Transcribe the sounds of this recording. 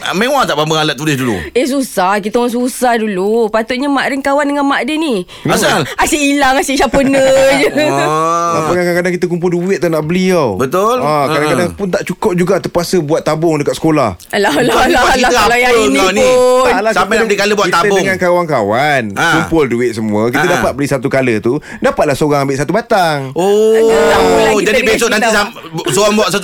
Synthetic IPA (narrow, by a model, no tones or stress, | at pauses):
mẽwat̪aʔbambəŋalat̪̚t̪ːulɪsdulṵes̬usahkit̪aaŋs̬usahdulupat̪ʊʔ̪̚ɲəmaʔdəŋkawandəŋãnmaʔdəni | asiʔilaŋasiʔʃapənəd͡ʒə | napəkakaŋkadaŋkit̪ək̬umpʊlduwɪt̪̚ːanaʔbəliawbət̪olakadaŋkadaŋpʊnt̪aʔt͡ʃukɔʔ̚d͡ʒuɡat̪əpuasəbuat̪ːabʊŋdəkat̪̚sə̥kola̰halalaaiaəlanialasampaad̪ikaləbuatkit̪ːaəbʊdəŋŋãnkawaŋkawankkumpʊlduɪt̪̚səmũəkitt̪ədapat̪̚bəlisat̪ukalət̪u | dapat̪̚lahsəoɾaŋambɪʔsat̪ubat̪aŋoaid͡ʒadibesoknanisasoɾaŋbuaʔ̪sat̪u